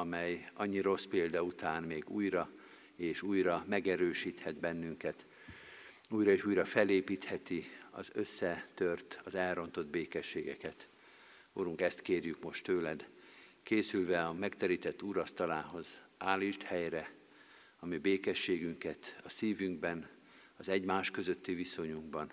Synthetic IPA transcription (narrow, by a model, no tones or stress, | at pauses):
ɒmɛjɒɲːiɾo̞speːld̪ɒut̪aːnmeːɡuːjrɒ | eːʃuːjrɒmɛɡɛɾøːʃiːt̪hɛd̪bɛnːyŋkɛt̪ | uːjrɒeːʃuːjrɒfɛleːpiːt̪hɛt̪iɒ̰zø̞sːɛt̪ørt̪ɒzɛlro̞nt̪o̞d̪beːkɛʃːeːɡɛkɛt̪ | oɾuŋkɛst̪keːrjykmo̞ʃt̪øːlɛd̪keːsylvɛɒmɛkt̪ɛɾiːt̪ɛt̪ːuːɾɒst̪ɒlaːɦo̞zaːliʃt̪hɛjrɛ | ɒmibeːkɛʃːeːɡyŋkɛt̪ɒsiːvyŋɡbɛn | ɒzɛɟmaːʃkø̞zø̞t̪ːiviso̞ɲuŋɡ̚bɒn